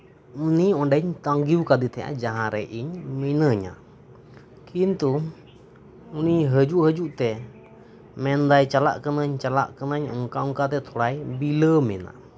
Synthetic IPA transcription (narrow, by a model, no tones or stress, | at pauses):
uniɔɳɖəɲt̪aŋɡiwkad̪it̪ʰɛja̰ʔd͡ʒaɦãɾɛ̰ʔiɲminəɲa̰ | kint̪u | uniɦəd͡ʒuʔhəd͡ʒuʔt̪ɛ | mɛnd̪ajt͡ʃala̰ʔkənəɲt͡ʃala̰ʔkənəɲɔ̰ŋkaɔŋkat̪̬ɛt̪ʰɔɽajbiləmɛna̰